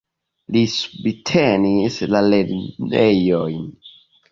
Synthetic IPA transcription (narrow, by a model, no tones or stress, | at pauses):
lisubitʰenislaleɾnejojn